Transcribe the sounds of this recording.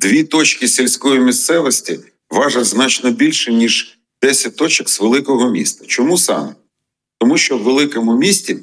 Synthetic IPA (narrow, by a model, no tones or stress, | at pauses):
d̪ʋʲit̪ɔt͡ʃkɪsʲilʲsʲkɔjimʲist̪sɛʋɔsʲtʲi | ʋɑʒɐtʲznɑt͡ʃnɔbʲilʲʃɪnʲiʒ | d̪̥ɛsʲɐt̚ʲt̪ɔt͡ʃɛkzʋelˠɪkɔɦɔmʲḭst̪ɐ̥t͡ʃɔmusɑ̰m | t̪ɔmuʃt͡ʃɔwːelˠɪkɔmʊmʲisʲtʲi